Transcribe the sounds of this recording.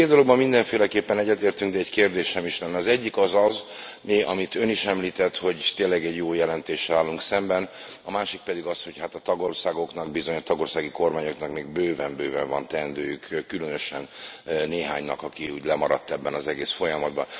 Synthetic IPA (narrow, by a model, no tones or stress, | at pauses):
feːd̪d̪olo̞ɡbɒmːind̪ɛɱfeːlɛkeːpːɛnɛɟːɛt̪eːrt̪yŋɡd̪ɛːckeːrd̪eːʃɛmiʃlɛnːɛɒzɛɟːikɒzɒzmiɒ̰mit̪ø̞niʃɛmliːt̪ɛt̪ho̞ɟt̪eːnlɛɡɛɟjoːjɛlɛnt̪eːʃɛlaːlːuŋksɛmbɛnɒmaːʃik̚pɛd̪iɡɒsho̞chat̪ɒt̪ɒɡo̞rsaːɡo̞knɒɡbizo̞ɲɒt̪ɒɡo̞ːrsaːɡiko̞rmaːɲo̞knɒkmeːɡ̚bøːvɛmbøːvɛɱvɒnt̪ɛnd̪øːjykkːylønøʃɛnneːɦaːɲnɒ̰kɒkiuːɟlɛmɒɾɒ̰t̪ːɛbːɛnɒzɛɡeːsfo̞jɒmɒd̪̚bɒ̰n